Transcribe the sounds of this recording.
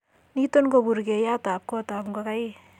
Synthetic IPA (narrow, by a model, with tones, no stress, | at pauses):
ni˦to˦nko˨buɾke˨ja˦ta˨p̚ko˦ta˨pŋɡoka˦j